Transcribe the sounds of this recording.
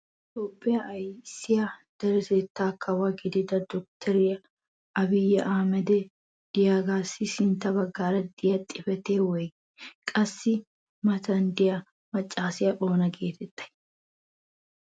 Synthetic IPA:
ʔɪt̪o̞ːpʼːɪjɐʔɐjsɪjɐd̪̥ɐɾɛseːt̪ːaːkʰːɐwɐɡɪd̪ɪd̪ɐd̪ɔk̚t̪ʰɛɾɪjɐ | ɐbɪjːɐʔaːmɛd̪ɛ | d̪̥ɪjaːɡaːsɪsɪnt̪ɐbɐɡːaːɾɐd̪ɪjɐt̪ʼːɪfɛt̪eːwɔj | kʼɐsːɪ | mɐt̪ɐnd̪ɪjɐ | mɐt͡ʃʼːaːsɪjɐboːnɐɡeːt̪ʰɛt̪ːɐ̥j

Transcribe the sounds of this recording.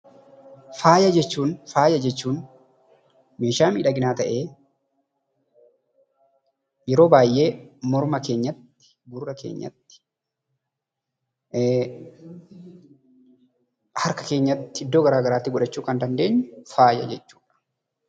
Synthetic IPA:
faːjɐd͡ʒɛt͡ʃːuːnfaːjɐd͡ʒɛt͡ʃːuːn | me̞ːʃaːmiːᶑɐɡɪnaːt̪ɐʔe̞ː | jɛɾoːbaːjʔe̞ːmɔɾmɐke̞ːɲːɐt̪ːɪ̥ | ɡʊɾɾɐke̞̰ːɲːɐ̰t̪ːɪ̥ | hɐɾkɐ̥ke̞ːɲːɐt̪ːɪ̥hɪd̪ːo̞ːɡɐɾaːɡɐɾaːt̪ːɪɡʊᶑɐt͡ʃːuːkɐnd̪ɐnd̪e̞ːɲːʊfaːjɐ̰d͡ʒɛt͡ʃːu̥ːᶑɐ̥

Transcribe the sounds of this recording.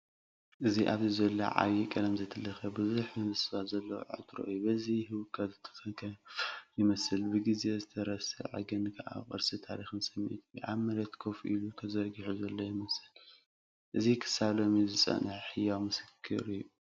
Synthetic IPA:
ʔɨziʔaβzizɐlːo̰ʕa̰jikʼɐlɐmzɐt̪ʰɨlːɐxɐbɨzuħmɨnɨsɨβat̪zɐlːɐw̰ʕɨ̰t̪ʰɾo̰ʔɨjubɐziɦɨwɨkʰɐzɨt̪ʰːɨ̥xɐkʰɐjɪmɐsɨlbɨɡize̞zɨt̪ʰɐɾɐsɨ̰ʕɨ̰ɡɨnkʰɐʔa̰χʼɨ̰ɾsɨt̪ʰaɾixɨnsɐmːḭʔt̪ʰjʔa̰βmɐɾɐt̪kʰofʔiluk̪ʰɐzɐɾɡiħuzɐlːo̞jɪmɐsɨl | ʔɨzikʰɨ̥saβlo̞mizɨt͡sʼɐ̰nɨħħɨjawmɨsɨ̥kʰːɨ̰ɾijːu

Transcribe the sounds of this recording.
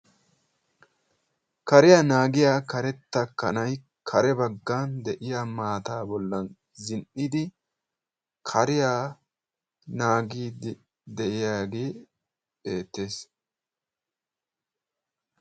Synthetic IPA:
kɐɾɪjaːnaːɡɪjaːkɐɾɛt̪ːɐkːɐ̰nɐj | kʰɐɾɛbɐɡːaːnd̪ɛʔɪjaːmaːt̪aːbɔlːɐn | zɪnʔɪd̪ɪ | kʰɐɾɪjaː | naːɡiːd | d̪ɛʔɪjaːɡeː | eːt̪ːe̞ːs

